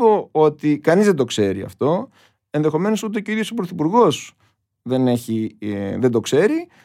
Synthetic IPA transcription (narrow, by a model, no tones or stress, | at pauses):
voot̪ikɐnizðe̞d̪o̞kse̞ɾiɐ̰ft̪o̞ | e̞nðe̞xo̞me̞no̞sut̪ecoiðjo̞sopɾoθipuɾɣo̞s | ðe̞ne̞çiðe̞d̪o̞kse̞ɾi